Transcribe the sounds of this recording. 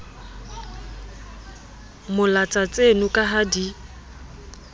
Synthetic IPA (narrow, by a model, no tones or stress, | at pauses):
mʊlat͡sʼat͡sʼenʊkʼaɦadi